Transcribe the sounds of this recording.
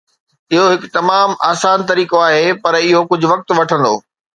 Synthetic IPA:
ɪɦoɦɪkt̪ɐmaːmaːsaːnt̪̬ɐɾiːkoaːɦeːpɐɾɪɦokʊd͡ʑʱʊ̆ʋɐk̚t̪ʋɐʈʰə̃nd̪o̰ː

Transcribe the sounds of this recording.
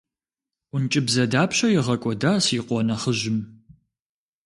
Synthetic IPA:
ʊnt͡ʃʼɪbzɐdaːpʰɕɐjɪʁɐkʷʼɔdaːsiqʷɔnɐχəʑɪm

